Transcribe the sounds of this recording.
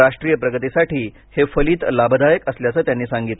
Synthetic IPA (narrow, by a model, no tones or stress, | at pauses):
ɾaʂʈɾijəpɾəɡət̪isaʈʰiː | hefəliːt̪labəd̪ajəkəsljat͡səːt̪janːiːsãŋɡit̪l